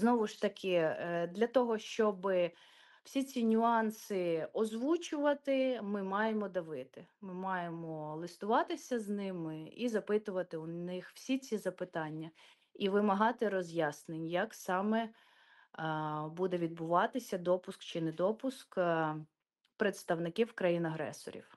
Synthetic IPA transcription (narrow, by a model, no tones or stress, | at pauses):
znɔʋʊʃt̪ɐkʰɪd̪lʲɐt̪ɔɦɔʃt͡ʃɔbɪ | w̥sʲit͡sʲinʲʊɑnsɪɔzʋut͡ʃʊʋɐt̪ɪmɪmɑjemɔd̪ɐʋɪt̪ɪmɪmɑjemɔlˠɪst̪ʊʋɑt̪ɪsʲɐznɪmɪizɐpɪt̪ʊʋɐt̪ɪʊnɪxw̥sʲit͡sʲizɐpɪt̪ɑnʲːɐ | iʋɪmɐɦɑt̪ɪɾɔzʲjɑsnenʲjɐksɑmɛ | bud̪ɛʋʲid̪̚bʊʋɑt̪ɪsʲɐd̪ɔpʊskt͡ʃɪnɛd̪ɔpʊsk | pɾet̪st̪ɐwnɪkiwkɾɐjinɐɦɾɛ̰sɔ̰ɾʲḭw